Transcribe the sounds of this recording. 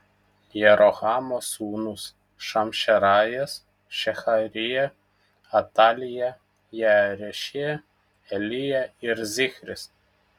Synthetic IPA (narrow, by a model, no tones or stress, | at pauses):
jɛɾɔɣɑːmosuːnʊs | ʃɐmʲʃʲɛɾɑːjɛs | ʃʲɛxɐɾʲɪjɛ | ɐt̪ɑːlʲɪjɛ | jɛɾʲɛʃʲɪjɛ | ɛlʲɪjɛɪɾzʲɪxʲɾʲɪs